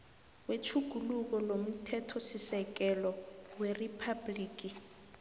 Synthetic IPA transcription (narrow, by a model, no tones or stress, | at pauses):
wet͡ʃʰuɡ̥ʱuluk̬ɔlom̩tʰɛtʰɔsisɛk̬ɛlɔweripʰabliːk̬i